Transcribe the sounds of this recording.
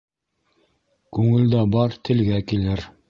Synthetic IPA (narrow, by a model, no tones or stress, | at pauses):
kʉŋɘ̆ld̪æbɑɾt̪ʰɘ̆lɡækilɘɾ